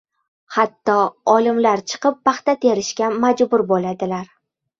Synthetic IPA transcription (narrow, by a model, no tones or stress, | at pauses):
hat̪ːɒɒlɪmlaɾt͡ʃʰɨ̥qɨp̚ːɑχt̪at̪ʰeɾɪʃkʲamad͡ʒbʊɾbolad̪ɪlaɾ